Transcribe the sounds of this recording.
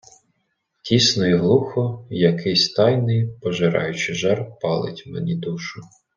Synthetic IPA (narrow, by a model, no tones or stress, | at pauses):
tʲisnɔjiɦlˠuxɔjɐkɪsʲt̪ɑjnɪjpɔʒɪɾɑ̰jʊt͡ʃɪʒɑrpɑlˠɪ̰tʲmḛnʲid̪uʃʊ